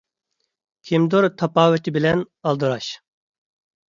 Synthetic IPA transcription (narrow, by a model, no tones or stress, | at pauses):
kʲʰimd̪uɾt̪ʰɑpaːwɛt̪ʰibilɛn | ɑlˠd̪ɨɾaʃ